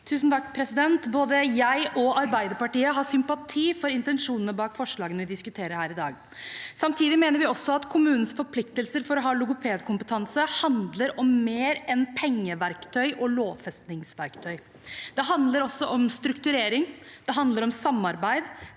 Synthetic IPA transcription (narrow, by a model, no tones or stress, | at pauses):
t̪ʰʉːsn̩t̪ʰɑkːpʰɾɛsɪd̪ɛnt̪boːd̪əjæɪʔɔɑɾbæɪd̪əɾpɑʈiːəɦɑsʏmpɑt̪ʰiːfɔɾɪnt̪ɛnʂuːnənəbɑːkfɔʂɭɑːɡənʋɪd̪ɪskʉt̪ʰeːɾəɾhæːɾɪd̪ɑ̰ːɡ | sɑmt̪ʰiːd̪ɪmeːnəɾʋɪɔsːɔɑt̪kʰʊmʉːnn̩sfɔɾpʰlɪkt̪əlsəɾfɔɾɔɦɑːlʊɡʊpʰeːd̪kʰʊmpət̪ʰɑnsəhɑnd̪ləɾɔmːeːɾɛnpʰɛŋːəʋæɾkt̪ʰœʏʔɔloːfɛst̪nɪŋsʋæɾkt̪ʰœʏ | d̪̥ɛɦɑnd̪ləɾɔsːɔʔɔmst̪ɾʉkt̪ʉɾeːɾɪŋd̪̥ɛɦɑnd̪ləɾɔmsɑmːɑɾbæɪd̪